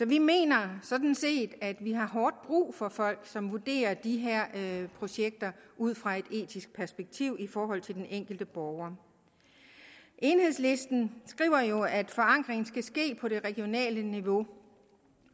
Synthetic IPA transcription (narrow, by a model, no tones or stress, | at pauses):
sɒ̽ʋime̝̰ːnɐsɒ̽d̥n̩se̝̰ːd̥æd̥ʋiɦɑ̈ɦɒːd̥̚b̥ʁṵːfɒ̽fɒ̽l̰ɡ̥sɒ̽mʋuɐd̥e̝̰ːɐd̥iɦeɐ̰pʰʁo̝ɕeɡ̥̚d̥ɐʔuð̰ˠfʁɑ̈e̝d̥e̝̰ːdʰisɡ̥̚pʰæɐsb̥eɡ̥̚t͡sʰiʊ̰ʔifɒːɦɒ̽l̰t͡sʰe̝ld̥enʔeŋ̰ɡ̥l̩d̥əb̥ɒːʊɐ | ʔe̝ːnhe̝ð̰ˠslesd̥n̩sɡ̥ʁḭʊ̰ɐjo̝æd̥fɒ̽ɑ̈ŋ̰ɡ̥ʁeŋn̩sɡ̥æsɡ̥e̝̰ːpʰɒ̽ɾe̝ʁɛɡ̥jo̝nɛ̰ːləniʋo̝